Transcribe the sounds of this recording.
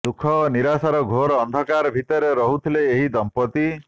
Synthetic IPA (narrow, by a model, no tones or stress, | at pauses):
d̪ukʰɔniɾasaɾɔɡʱoɾɔːnd̪ʱɔkaɾbʱit̪ɔɾeɾɔɦut̪ʰileːɦid̪ɔmpɔt̪i